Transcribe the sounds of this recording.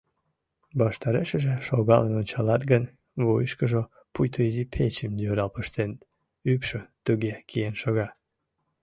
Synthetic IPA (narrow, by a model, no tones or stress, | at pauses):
bɑʃt̪ɑɾeʃəʒeʃoɣɑlenonʲt͡ɕɑlɑt̪ɡən | βojəʃkəʒo | pujt̪ʰoizipʰet͡ɕəmd̪øɾɑlpəʃt̪en | ypʃət̪uɣekijenʃoɣɑ